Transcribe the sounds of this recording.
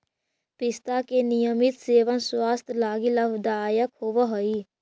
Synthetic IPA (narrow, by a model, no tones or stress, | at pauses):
pɪst̪akenijəmɪt̪seːʋənswaːst̪ʰlaːɡiləbd̪aːjəkhoʋəɦoi